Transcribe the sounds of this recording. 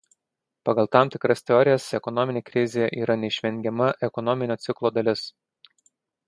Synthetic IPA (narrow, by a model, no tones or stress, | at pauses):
pɐɡɐlˠt̪ɑˑmt̪ʲɪkɾɐsʲt̪ʲɛɔɾʲɪjɛsɛkɔnɔmʲɪnʲeːkɾʲɪzʲejɛʔiːɾɐnʲɛɪʃʲʋʲɛŋʲɡʲɛmɐʔɛkɔnɔmʲɪnʲoːt̪sʲɪklˠoːd̪ɐlʲɪs